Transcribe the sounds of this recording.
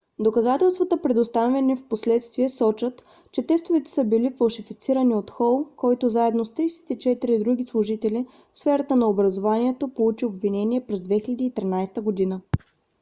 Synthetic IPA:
d̪okɐzat̪ɛlˠst̪vɐt̪əpɾɛd̪ost̪avɛnifposlɛt̪st̪viɛsɔt͡ʃət̪ | t͡ʃɛt̪ɛst̪ovɛt̪ɛ̥səbilifɐlˠʃifit̪siɾəniot̪xɔlˠkɔjt̪ozaɛd̪nost̪ɾijsɛ̥t̪it͡ʃɛt̪iɾid̪ɾuɡ̟islˠʊʒit̪ɛli | fsfɛɾɐt̪ənɐobɾɐzovaniɛt̪opolˠut͡ʃiobvinɛniɛpɾɛzd̪vɛxilʲɛd̪iːt̪ɾinajst̪əɡod̪inə

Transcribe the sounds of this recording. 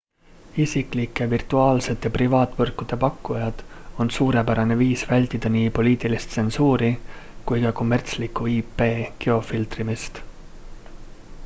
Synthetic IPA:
isikˑlikːˑevirt̪uɑːlse̞t̪ːˑeprivɑːt̪ːˑvɤrkːˑud̪̥e̞pɑkːˑujɑd̪̥o̞nsuːɾe̞pæɾɑne̞viːsvælʲt̪ˑid̪̥ɑniːpo̞liːt̪ˑilist̪se̞nsuːɾikujkɑko̞mːert̪slikːˑuiːpe̞ːɡ̥e̞o̞filt̪rimist̪

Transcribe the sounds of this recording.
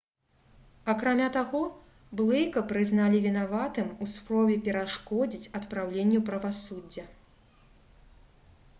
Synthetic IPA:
ɐkɾamʲat̪aɣɔ | blˠɛjkɐpɾɨznalʲivʲinavat̪ɨmuspɾɔvʲɛpʲɛɾaʂkɔd͡zʲit͡sʲɐt̪pɾawlʲenʲːɛpɾɐvasudd͡zʲːɐ

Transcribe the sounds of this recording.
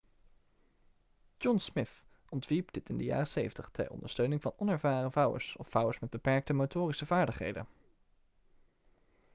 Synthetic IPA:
d͡ʒɔnsmɪθ | ʔɔntʋiɹpdɪtɪndəja̰ːrəsejvəntəχtʰɛ̰ɹʔɔ̰ndəɹstøɥnɪŋvɑnɔnɛɹvaːrəvʌwə̰ɹsɔfʌwəɹsmɛd̚bəpɛɹk̚təmotʊːrisəvaːɹdəχɦḛjdə̰n

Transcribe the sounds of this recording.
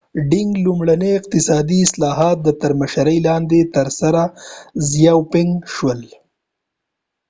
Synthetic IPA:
ɖɪŋɡlumɽaneɪq̚t̪ɪsɑd̪iɪslɑɦɑt̪̚d̪ət̪aɾmaʃaɾəjlɑnd̪et̪əɾsaɾazjawpɪŋɡʃwəl

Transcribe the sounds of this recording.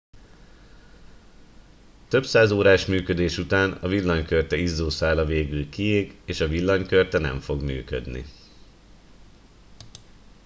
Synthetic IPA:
t̪ø̞bsaːzoːɾaːʃmyːkø̞d̪eːʃut̪aːnɒ̰vilːɒɲkørt̪ɛizːoːsaːlɒveːɡylkieːɡeːʃɒvilːɒɲkørt̪ɛnɛ̰ɱfo̞ɡmy̰ːkø̰d̪nḭ

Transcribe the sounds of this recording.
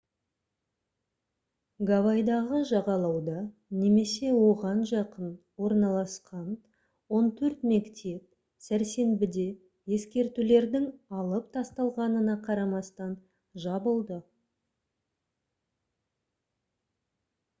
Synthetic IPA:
ɡavɑjd̪ɑʁəʒɑʁɑlˠɑwd̪ɑne̞me̞se̞wo̞ʁɑnʒɑqən | wo̞ɾnɑlˠɑsqɑn | wo̞nt̪ʰɵɾt̪me̞kt̪ʰe̞p̚ | sæɾse̞nbɪd̪e̞ | je̞skʲe̞ɾt̪ule̞ɾd̪ɪŋɑlˠəpt̪ʰɑst̪ɑlˠʁɑnənɑqʰɑɾɑmɑst̪ɑn | ʒɑbəlˠd̪ə

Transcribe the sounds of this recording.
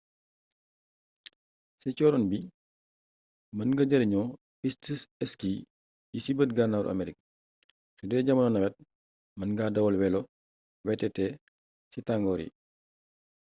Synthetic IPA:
sɛt͡ʃɔːɾɔnbi | mɐnŋɡɐɟɐɾiɲɔː | fistisɛski | jisibətɡanaɾʔɐ̰meɾik̚ | sudɛːɟɐmɐnɔnɐwɛt̚ | mɐnɡadɐwɐlwɛlɔ | wɛtːɛtɛː | sitaŋɡɔːɾḭ

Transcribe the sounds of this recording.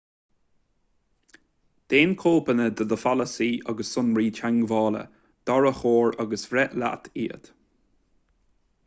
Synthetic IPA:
d̪̥eːnkʰoːbənəd̪əd̪əfaləsiːʔaɡəsːʊnɹiːt͡ʃʰaŋɡvɑːlə̰ | d̪̥ɔɹəxoːɹaɡəsvɾɛʔla̰t̪ʰiːə̰t̪

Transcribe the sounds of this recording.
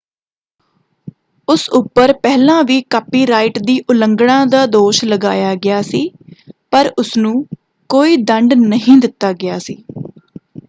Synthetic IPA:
ʊsʊpːəɾpɛːlãːʋiːkaːpiːɾaːɪʈd̪iːʔʊləŋɡɽãːd̪aːd̪oːʃləɡa̰ːjaːɡɪjaːsiːpəɾʊsnũː | koːiːd̪əɳɖnəɦĩːd̪ɪt̪ːaːɡɪjaːsiː

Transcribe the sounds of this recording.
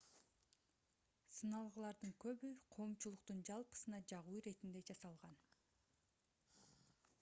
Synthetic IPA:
sɯnɑlˠʁɯlˠɑɾd̪ɯŋkø̞βyqʰo̞ːmt͡ʃulˠuq̚t̪und͡ʒɑlˠpɯ̥sɯnɑd͡ʒɑʁuːɾe̞t̪ind̪e̞d͡ʒɑsɑlˠʁɑn

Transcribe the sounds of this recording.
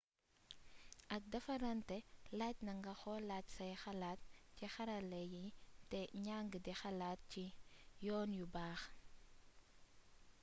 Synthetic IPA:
ʔɐk̚dɐfɐɾɐntɛlac̚nɐŋɡɐxɔlaːcsɐjxɐlaːt̚cixɐɾɐlɛjitɛɲaŋɡədixɐlaːt̚cijɔːnjubaːx

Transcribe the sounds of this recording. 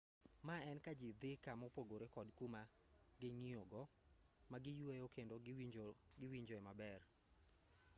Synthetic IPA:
maɛnkad͡ʒid̪ɪkamɔpoɡoɾekɔdkuma | ɡɪŋioɡɔ | maɡɪjwejokendo | ɡɪwiɲd͡ʒoɛmabɛr

